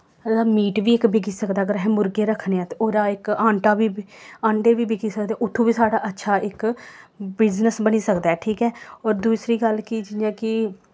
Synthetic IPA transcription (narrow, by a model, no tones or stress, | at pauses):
aːmiːʈʋiːɪkbɪɡiːsəkd̪aːɡəɾɦɛ̃ːmʊɾɡeːɾəkʰːneãːt̪eoːɾaːɪkãːɳʈaːʋiːãːɳɖeːʋiːbɪkiːsəkd̪eːʔʊt̪ʰːũːbiːsaːɽaːʔətːʃʰaːʔɪk | bɪd͡ʒnəsbəniːsəkd̪aːɦɛːʈʰiːkɛːɔːɾd̪uːsɾiːɡəlkid͡ʒɪjãːkɪ